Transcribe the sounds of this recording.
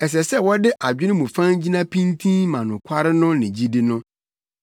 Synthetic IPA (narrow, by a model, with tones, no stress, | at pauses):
ɛ˨s̬ɛ˨sɛ˦wɔ˦dɪ˦ʔa˨d͡ʑᶣɪ˦nɪ̃˦mũ˨fã˦nd͡ʑi˦nã˦pʰĩ˦ntʰĩ˦nmã˨nʊ̃˨kʷʰa˦ɾɪ˦nʊ̃˦nɪ̃˨d͡ʑi˦dɪ˦nʊ̃˦